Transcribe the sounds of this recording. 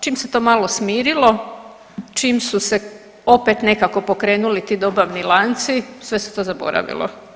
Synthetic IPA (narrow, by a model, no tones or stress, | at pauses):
t͡ʃiːmset̪o̞ːmaːlˠo̞smiːɾilˠo̞ | t͡ʃimsuse̞ | o̞pet̪ne̞kako̞po̞kɾe̞ːnulit̪iːd̪o̞baʋnilˠant̪sisʋe̞set̪o̞ːzabo̞̰ɾa̰ʋḭlˠo̰